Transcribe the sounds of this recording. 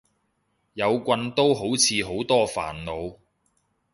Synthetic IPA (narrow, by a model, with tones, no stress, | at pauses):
jɐ˨˧wkʷɐ˧nt̪o˥wɦo˨˥wt͡sʰiː˨˧ɦo˨˥wt̪ɔː˥fa̰ː˨˩nlo˨˧w